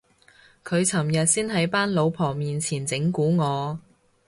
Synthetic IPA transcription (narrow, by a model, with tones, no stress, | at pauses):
kʰɵ˨˧ɥt͡sʰɐ˨˩mjɐ˨t̚siː˥nɦɐ˨˥jpaː˥nlo˨˧wpʰɔː˨˩miː˨nt͡sʰiː˨˩nt͡sɪ˨˥ŋkuː˨˥ŋɔː˨˧